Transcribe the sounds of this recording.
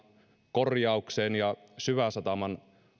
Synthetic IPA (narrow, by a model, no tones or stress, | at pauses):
korjɑukseːnjɑsyʋæsɑt̪ɑmɑn